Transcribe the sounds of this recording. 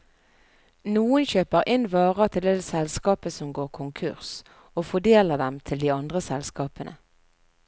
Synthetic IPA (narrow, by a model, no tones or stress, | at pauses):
nuːənçøːpəʁʔɪnʋɑːʁət̪ʰɪld̪ed̪sɛlskɑːpəsɔmɡoːʁkʰʊŋkʰʉ̰ʁs | oːfɔd̪eːləʁd̪ɛmt̪ʰɪld̪iːɑnd̪ʁəsɛlskɑːpənʔə̰